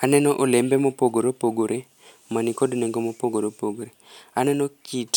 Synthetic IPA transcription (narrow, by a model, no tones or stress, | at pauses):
anɛnɔʔolɛmbɛmɔpoɡoɾopoɡoɾʔe | manikodnɛŋɡɔmopoɡoɾopoɡoɾeanɛnɔkit